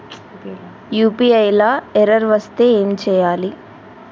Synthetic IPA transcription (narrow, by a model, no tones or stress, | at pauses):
juːpiɐjlaːɛɾɐɾʋɐst̪e̞ːeːmt͡ʃɛːjaːli